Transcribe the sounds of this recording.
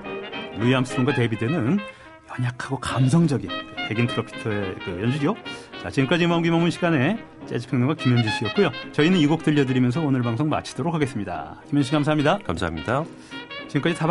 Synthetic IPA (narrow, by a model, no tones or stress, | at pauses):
luiams͈mŋɡwate̞bidenɯn | jʌɲakʰaɡokamsʰʌŋd͡ʑʌɡinete̞ɡintʰɯɾopʰi̥tʰʌekɯjʌnd͡ʑuɾijot͡ɕat͡ɕink͈ad͡ʑimamɡimaŋmːunɕʰiɡane̞ | t͡ɕ͈ed͡ʑi̥pʰeŋɲʌŋɡwakimjʌnd͡ʑiɕ͈iʌt̚k͈ojot͡ɕʌinɯniɡok̚tɯʎːʌdɯɾimjʌns̬ʰʌonɯɭbaŋsʰoŋma̰t͡ɕʰi̥d̥oɾok̚ʰaɡe̞s͈ɯmɲida̰kimjʌnɕ̬ʰikamsʰaɦamɲidakamsʰa̰mɲida | t͡ɕiɡɯmk͈ad͡ʑitab